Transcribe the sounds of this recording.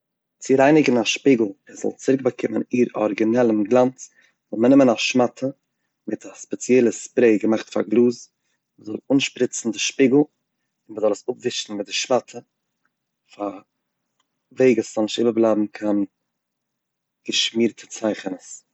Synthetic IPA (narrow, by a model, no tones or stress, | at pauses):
t͡sɪɾaɪnɪɡn̩aʃpiːɡl̩ˠɛz̥ɔ̰lˠt͡sɪɾɪk̚bakʰɪməniːɾɔ̰ɾɡinɛlˠəmɡlˠant͡s | zɔlˠmənɪmənaʃmatʰə | mɪtʰaspɛt͡sjɛlˠəspɾeɪɡəmaχtfa̰ɾɡlˠuːz | məzɔlˠunʃpɾɪt͡sn̩dɪʃpiɡl̩ˠ | ɪnməzɔlˠəsʊpvɪʃn̩mɪt̚dɪʃmatʰə | fa | veɪɡəsz̥ɔlˠnɪʃtɪbəblˠabm̩kʰan | ɡ̥əʃmiːɾtʰət͡saɪχənəs